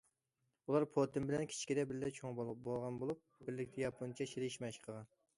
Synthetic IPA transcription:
ulˠɑɾpʰot̪ʰɪmbɪlɛnkʲʰi̥t͡ʃʰi̥kʲid̪ɛbɪɾlɛt͡ʃʰoŋbolˠʁɑnbolˠup̚bɪɾlɪkʲt̪ʰɛjɑpʰunt͡ʃʰɛʃeɾɪʃmɛʃqʰəʁɑn

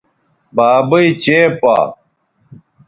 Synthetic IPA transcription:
baːbɐit͡ɕeːpa̰ː

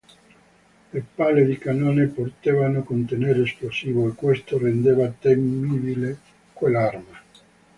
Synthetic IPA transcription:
lepalːed̪ikanoːneport̪evanokont̪eneɾesplosiːvoekːwest̪orend̪evat̪emːibile | kwelarma

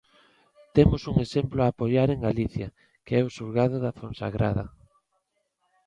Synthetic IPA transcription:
t̪emʊsuŋesemplʊaːpojaɾeŋɡaliθjɐ | keɛʊsuɾɣað̞ʊðaθõnsa̰ɣɾa̰ðɐ̰

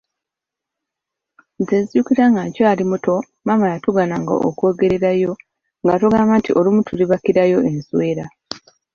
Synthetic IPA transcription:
zeziukiɾaŋɡacaːlimuto̞ | mamajatuɡanaŋɡa̰ʔo̰ko̞ːɡe̞ɾe̞ɾajo̞ | ŋɡatuɡaːmantiʔo̞lumutʰuliβakiɾajo̞e̞nswe̞ːɾa

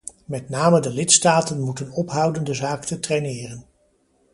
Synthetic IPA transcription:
mɛtnaːmədəlɪtstaːtənmutənɔpɦʌwdəndəzaːktətrejnɪːrən

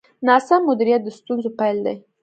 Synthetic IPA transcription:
nɑsamːʊd̪iɾijat̪̚d̪əst̪unzopajld̪a̰j

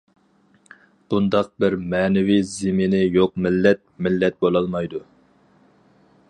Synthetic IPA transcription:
b̥und̪ɑq̚bɪɾmɛːnɪvizɪmɪnɪjoq̚mɪlːɛt̪̚mɪlːɛt̪̚bolˠɑlˠmɑjd̪u

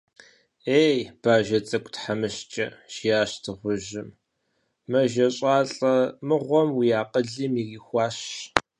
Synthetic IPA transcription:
eːjb̥aːʒɐt͡sʼɐkʷʼtħamɨʃt͡ʃʼɐ̰ʃijaːɕtʰɨʁʷʊʒɪm | mɐʒɐɕʼɑːɬʼɐmɨʁʷɔmwijaːqəɮiːmiriːxʷɑːɕ

